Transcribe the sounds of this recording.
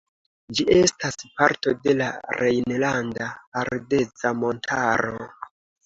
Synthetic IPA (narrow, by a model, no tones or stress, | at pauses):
d͡ʒiʔe̞staspaɾto̞de̞laɾʔejnlandaːɾde̞t͡samo̞ntʰaɾo̞̰